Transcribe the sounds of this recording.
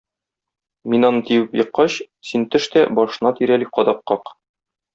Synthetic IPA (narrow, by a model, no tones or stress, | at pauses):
minɒnɤt̪iwɘpjɤ̆qːɑɕ | sint̪ɘ̆ʃt̪æbɒʃɤ̆nɑt̪iɾæliqɒd̪ɑqːɑq